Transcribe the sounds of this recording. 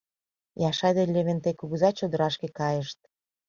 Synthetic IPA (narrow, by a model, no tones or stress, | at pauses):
jɑʃɑd̪elʲeβent̪ekuɣuzɑt͡ɕod̪əɾɑʃkekɑjəʃt̪̚